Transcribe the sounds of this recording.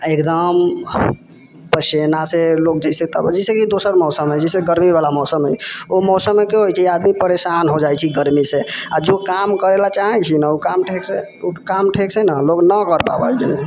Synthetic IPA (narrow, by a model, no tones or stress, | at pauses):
ekd̪əm | pəsenaselok̚d͡ʒɛset̪ə̰bd͡ʒɛsekid̪osəɾmɔsəmɦɛd͡ʒɛseɡəɾmiβalamɔʊsəmɦɛ̰omɔsəmːekeɦojt͡ʃʰɛad̪mipəɾesanɦod͡ʒajt͡ʃʰiɡəɾmisead͡ʒokamkəɾelat͡ʃaɦɛt͡ʃʰinəukamʈʰekse | ukamʈʰeksenəloknəkəɾpa̰bəjd͡ʒene